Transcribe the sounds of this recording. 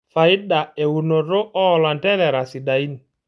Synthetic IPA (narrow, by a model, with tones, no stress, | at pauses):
fa˨ɪ˦da˨e˨wu˨no˨ɾo˦ʔɔː˦˨la˨ntɛ˦lɛ˨ɾa˨si˨da˨i˦n˨